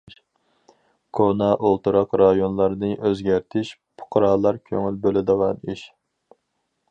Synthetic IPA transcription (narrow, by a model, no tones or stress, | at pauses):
kʰonɑʔolˠt̪uɾɑqɾɑjonlˠɑɾnɨʔøzɡʲæɾt̪ʰɪʃpʰʊ̥qʰɾɑːlˠɑɾkʲʰøŋylbølɪd̪əʁɑniʃ